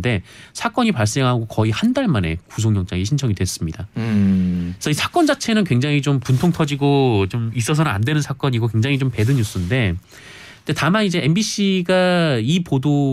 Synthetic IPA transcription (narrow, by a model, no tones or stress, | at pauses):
de̞sʰak͈ʌɲipaɭs͈e̞ŋɦaɡokʌihandaɭmane̞̰kus̬ʰoŋjʌŋt͡ɕ͈aŋiɕʰint͡ɕʰʌŋidwe̞s͈ɯmɲida̰ | sʰʌisʰak͈ʌnd͡ʑat͡ɕʰe̞nɯnkwe̞ŋd͡ʑaŋit͡ɕompuntʰoŋtʰʌd͡ʑiɡot͡ɕomis͈ʌs̬ʰʌnɯna̰ndwe̞nɯnsʰak͈ʌɲiɡokwe̞ŋd͡ʑaŋit͡ɕompe̞dɯɲjus͈ɯnde̞ | ndetamanid͡ʑe̞embiɕ͈ʰiɡaipodo